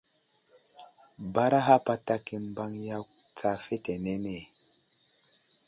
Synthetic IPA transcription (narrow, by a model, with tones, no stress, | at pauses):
ba˦ɾa˦ɦa˦pa˦ta˦ki˨mba˦ŋja˦k | t͡sa˦fe˦te˨ne˦ne˨